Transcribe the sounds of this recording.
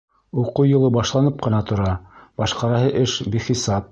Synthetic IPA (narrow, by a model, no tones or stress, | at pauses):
uqujŏlˠɤbɑʃlˠɑnɤp̚qɤ̆nɑt̪ŏɾɑb̥ɑʃqɑɾɑɦɤʔɘʃbiχisɑp̚